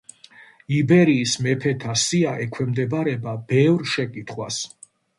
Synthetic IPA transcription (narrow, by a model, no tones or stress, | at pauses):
ibɛɾiːsmɛpʰɛt̪ʰasiaʔɛkʰwɛmd̪ɛbaɾɛbabɛvɾʃɛkʼit̪ʰχwas